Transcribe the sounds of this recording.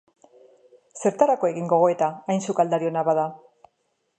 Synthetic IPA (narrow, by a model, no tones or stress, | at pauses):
se̞ɾt̪aɾako̞e̞ɣiŋɡo̞ɣ̞o̞e̞t̪aːjnsukald̪aɾio̞naβaða